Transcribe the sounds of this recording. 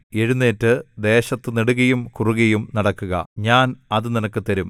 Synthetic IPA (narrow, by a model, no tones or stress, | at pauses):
e̞ɻunːeːtːɨd̪e̞ːɕɐt̪ːɨniɽuɣɐjumkuruɣɐjumnɐɽɐkːuɣɐ̰ɲaːnɐðɨninɐkːɨt̪ɐɾum